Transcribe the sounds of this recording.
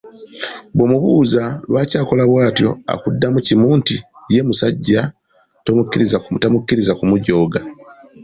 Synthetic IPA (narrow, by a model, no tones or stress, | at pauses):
bwo̞ːmuβuːzalwaːcaːko̞laβwaːtjo̞̰a̰kudːamucimuːntije̞ːmusaɟːa | tomukːiɾizatamukːiɾizakumuɟo̞ːɡa